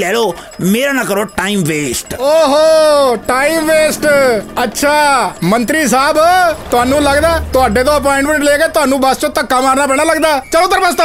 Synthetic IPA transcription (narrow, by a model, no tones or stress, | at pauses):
lɛːloː | meːɾaːnãːkəɾoːʈaːimʋeːsʈoːɦoʈaːiːmʋeːsʈətːʃʰaːmənt̪ɾiːs̬aːbt̪ʊaːnũːləɡd̪aːt̪ʊaːɖeːt̪õːəp̬ɔːɪ̃ɳɖmə̃ɳʈleːɡeːt̪ʊaːnũːbəst͡ʃõːt̪əkːaːmaːɾnaːpɛ̃ːɽ̃aːləɡd̪aːt͡ʃəlõːt̪əɾbəst̪ː